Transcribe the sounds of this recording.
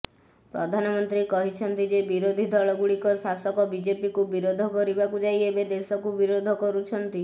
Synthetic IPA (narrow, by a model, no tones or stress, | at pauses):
pɾɔd̪ʱanɔmɔnt̪ɾikɔɦit͡ʃʰɔnt̪id͡ʒebiɾod̪ʱid̪ʱɔɭɔɡuɭikɔsasɔkɔbid͡ʒepikubiɾod̪ʱɔkɔɾibakud͡ʒajebed̪esɔkubiɾod̪ʱɔkɔɾut͡ʃʰɔnt̪i